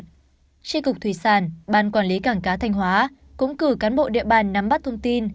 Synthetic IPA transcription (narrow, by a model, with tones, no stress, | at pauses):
t͡ɕi˧kʊ˨˩k͡p̚t̪ʰwi˧˨˩saː˧˩nɓaː˧˩nkwaː˧˩nli˨˦kaː˧˩ŋkaː˨˦t̪ʰa˧jŋ̟ɦwaː˨˦ | kʊ̰˧˥ŋ͡mkɨ˧˩kaː˨˦nɓo̰˧˨ɗḭ˧˨əɓaː˧˨˩nːa˨˧˦mɓa˦˥t̚t̪ʰə˧wŋ͡mt̪i˧n